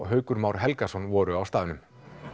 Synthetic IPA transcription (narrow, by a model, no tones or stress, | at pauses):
ɦœːɥkʏɾmawɾ̥ɦɛlkasɔnvɔːɾʏawst̪aːðʏnʏm